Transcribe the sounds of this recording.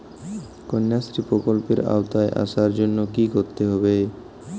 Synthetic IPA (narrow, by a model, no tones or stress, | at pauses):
konːjasɾipɾokolpeɾa̰ot̪aeʔa̰ʃaɾd͡ʑonːokikoɾt̪eɦɔbe